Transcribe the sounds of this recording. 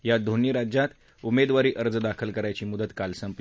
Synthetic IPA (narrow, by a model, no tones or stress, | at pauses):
jad̪ʱoniɾad͡ʑjat̪ | umed̪ʋaɾiːʔəɾd͡zd̪akʰəlkəɾajt͡ɕiːmud̪ət̪kalsəmp